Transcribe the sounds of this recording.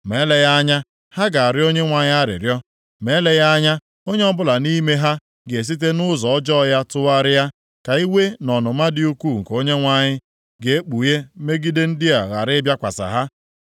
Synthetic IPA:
me˨˦le˨ja˦a˦ɲa˦ | ha˦ɡa˨a˨ɾɪ˦o˦ɲe˦ŋʷa˨ɲɪ˦a˦ɾɪ̰˨ɾjɔ˦ | me˨˦le˨ja˦a˦ɲa˦ | o˦ɲe˦ɔ˦bʊ˦la˨ni˦me˦ɦa˦ | ɡe˨e˨s̬i˦t̬e˦nʊ˦zɔ˨ɔ˦d͡ʒɔ˦˨ja˦tʊ˦a˦ɾɪ˦ja˦ | ka˨i˦we˦nɔ˨nʊ˨ma˦dɪ˦u˦kʷu˦˨ŋ̩˨ko˦ɲe˦ŋʷa˨ɲɪ˦ | ɡe˨e˦k͡pu˨je˦me˦ɡi˦de˦n̩˦dɪ˦a˨ɣa˨ɾɪ˦bja˦kʷa̰˨sa̰˨ɦa˦

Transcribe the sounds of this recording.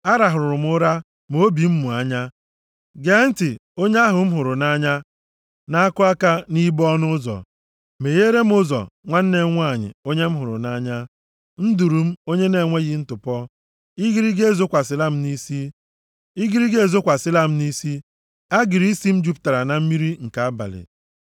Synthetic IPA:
a˦ɾa˨ɦʊ˨ɾʊ˨ɾʊ˨m̩˦ʊ˦ɾa˦ | m˦o˦bi˨m̩˦mu˨a˦ɲa˦ | ɡe˨˦n̩˦tɪ˨o˦ɲ˦a˦ɦʊ˨m̩˦ɦʊ˨ɾʊ˨na˦ɲa˦ | na˦a˦kʊ˦a˦ka˦ni˦bɔ˦nʊ˦zɔ̰˨ | me˨je˦ɾe˦m̩˦ʊ˦zɔ̰˨ŋʷa˦n̩˦ne˨˦ŋʷ˦a˦˨ɲɪ̰˨o˦ɲe˦m̩˦ɦʊ˨ɾʊ̰˨na˦ɲa˦ | n̩˦du˨ɾu˨m̩˦o˦ɲe˦ne˨ŋʷe˦ɣi˦n̩˦tʊ˨pɔ˦ | i˦ɡi˦ɾi˦ɡe˦˨zo˦kʷa˨sɪ˦la˦m̩˦ni˦si˦ | i˦ɡi˦ɾi˦ɡe˦˨zo˦kʷa˨sɪ˦la˦m̩˦ni˦si˦ | a˦ɡɪ˨ɾi˦si˦m̩˦d͡ʒu˦pta˨ɾa˨na˨m̩˦mi˦ɾi˦ŋ̩˨ka˨a˦ba̰˨lɪ̰˨

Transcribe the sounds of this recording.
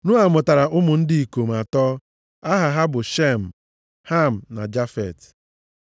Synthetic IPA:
nʊ˦a˨mʊ˨ta˨ɾa˨ʊ˦mʊ˨n̩˦di˦i˨ko˨m˨a˨tɔ˦ | a˦ɦa˨ɦa˦bʊ˨ʃe˦˨m̩˨ | ha˦˨m̩˨na̰˨d͡ʒa˦fɛ̰˨t

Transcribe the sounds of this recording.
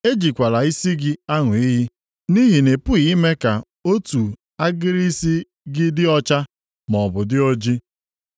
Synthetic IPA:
e˦d͡ʒi˨kʷa˨la˨i˦si˦ɡɪ˦a˦ŋʷʊ˨i˦ɦi˦ | ni˦ɦi˨ne˨pʊ˦ɣi˨˦me˦ka˨ | o˦tu˨ | a˦ɡɪ˦ɾi˦si˦ | ɡɪ˦dɪ˦ɔ˦t͡ʃa˦ | mɔ˨bʊ˨dɪ˦o˦d͡ʒi˦

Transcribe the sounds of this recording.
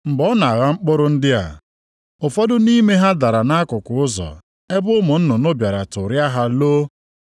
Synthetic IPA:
ŋ͡m̩˨bɔ˦na˨a˨ɣa˦ŋ͡m̩˦k͡pʊ˦ɾʊ˦n̩˦dɪ˦a̰˨ | ʊ˨fɔ˦dʊ˦ni˦me˦ɦa˦da˨ɾa˨na˦a˦kʊ˨kʊ˨ʊ˦zɔ̰˨ | e˦bʊ˦mʊ˨n̩˦nʊ˨nʊ˦bja˨ɾa˨tʊ˨ɾja˦ɦa˦lo˦

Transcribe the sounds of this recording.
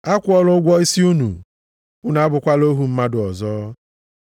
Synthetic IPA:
a˦kʷʊ˦ɔ˦lʊ˦ɡʷɔ˦i˦si˦u˦nṵ˨ | ʊ˦na˨a˦bʊ˨kʷa˦lo˦ɦu˨m̩˦ma˦dʊ˨ɔ˨zɔː˦

